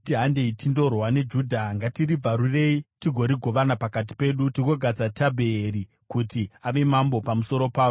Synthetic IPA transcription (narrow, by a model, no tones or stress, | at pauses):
tiɦande̞itʰindo̞rwane̞d͡ʒuːdʱaŋɡatiɾib͡vaɾure̞itiɡʱo̞ɾiɡʱo̞ʋanapakat̬i̥pe̞ːɗutiɡo̞ɡʱad͡zatʰabʱeːɾi | kutiaʋe̞mambo̞pamuso̞ɾo̞paːo